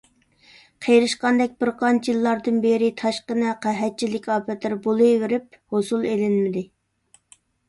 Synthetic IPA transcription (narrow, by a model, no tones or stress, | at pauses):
qʰejɾɨʃqɑnd̪ɛk̚ʲbɪɾqʰɑnt͡ʃʰjɨlˠːɑɾd̪ɨnbeɾɪt̪ʰɑʃqənɨqʰæɦɛt̪̚t͡ʃʰilɪkʲɑːpʰɛt̪lɪɾbolˠɨjwɪɾɪp̚hosulˠelɪnmɪd̪ɪ